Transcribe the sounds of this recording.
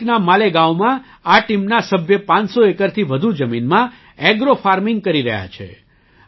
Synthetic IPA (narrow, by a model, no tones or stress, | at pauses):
knamaleɡawmã | aʈimnasəbʱjəpãnsoekəɾt̪ʰiʋəd̪ʱud͡ʒəminmã | eɡɾofaɾmɪŋɡ̚kəɾiɾə̰ɦja̰t͡ʃʰḛ